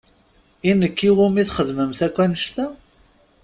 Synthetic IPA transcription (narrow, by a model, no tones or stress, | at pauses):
inəkːiwumiθχəðməmθækʷːænəʃt̪æ